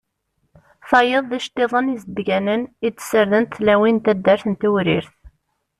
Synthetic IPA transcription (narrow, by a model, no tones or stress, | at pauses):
θɑjəðˤðæʃt̪eðˤənizbɡænənid̪t͡sːsəɾðənt̪θlæwint̪æd̪ːæɾθənt̪uwɾiɾθ